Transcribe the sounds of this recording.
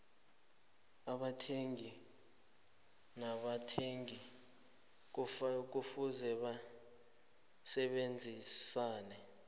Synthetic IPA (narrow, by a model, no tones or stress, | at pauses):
aɓatʰeŋɡi | naɓatʰeŋi | k̬uk̬ufuzɛɓa | sɛɓend͡zʱisaːnɛ